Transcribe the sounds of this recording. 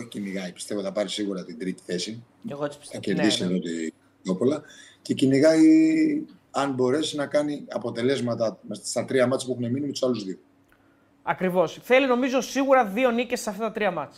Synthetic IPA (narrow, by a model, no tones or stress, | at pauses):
oçi̥ciniɣɐipi̥st̪e̞voθɐpɐɾisiɣuɾɐt̪ind̪ɾit̪i̥θe̞si | eɣosɐceɾððiseðo̞t̪i | o̞polɐ | ce̞ciniɣɐi | ɐnbo̞ɾe̞sinɐkɐniɐpo̞t̪e̞le̞zmɐt̪ɐmest̪ɐst̪ɐt̪ɾiɐmɐt͡si̥puexuneminimet̪usɐluzðio | ɐkɾivo̞sθe̞lino̞mizo̞siɣuɾɐðio̞nicesɐft̪ɐt̪ɐt̪ɾiɐmɐt͡s